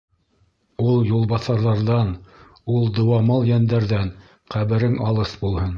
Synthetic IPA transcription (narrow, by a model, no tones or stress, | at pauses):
ulˠjulˠβɑθɑɾðɑɾðɑn | ulˠd̪ɤ̆wɑmɑlˠjænd̪æɾðæn | qæβɘ̆ɾɘŋɑlˠɤsbulˠhɤn